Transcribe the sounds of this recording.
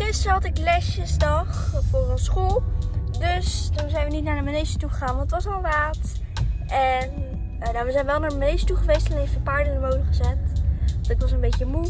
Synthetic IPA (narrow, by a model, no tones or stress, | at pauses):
χɪstəɦɑtɪklɛʃəzdɑχfʊːrənsχulˠdøstunzɛjnʋənitnaːɹdəmənejzətuχəχaːnʋɑntətʋɑsɑlˠʋaːt | ʔɛn | naːʋəzɛjnʋɛlˠnaːɹdəmənejsətuχəʋejstɛnejfəpaːɹdənəɹmowdəχəzɛtɑntɪkʋɑsənbejcəmu